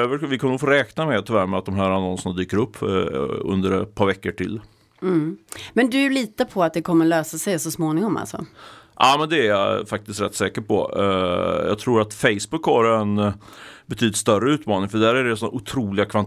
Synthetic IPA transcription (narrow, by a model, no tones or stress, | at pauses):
øːvəvɪkʰɔmːəfoːɾɛːknamɛt̪ʰʏvæːɾmɛat̪̚d̪ɔmɦæːɾanɔnsənad̪yːkəɾɵpːɵ̰nd̪əɾɛt̪̚pʰɑːɾvɛkːəʈʰɪ̰l̩ː | mɛnd̪ɵjʉliːt̪əpʰɔat̪̚d̪ɛkʰɔmːəløːsasɛjsɔsmoːnɪŋɔma̰lsɔ̰ʔɑːmɛnd̪ɛæɾja̰fak̚t̪ɪst̪ɾɛ̰t̪ːsɛːkəɾpʰɔ̰ | jɑ̰ːt̪ʰɾuːɾat̪fɛɪjsbɵkːhɑɾɛn | bɛt̪ʰyːd̪ɪt̪st̪œrəʉ̟ːt̪mɑːnɪŋfœɖæːɾæɖɛsɔnːæ̰ʔʊt̪ʰɾuːlɪɡakʰvan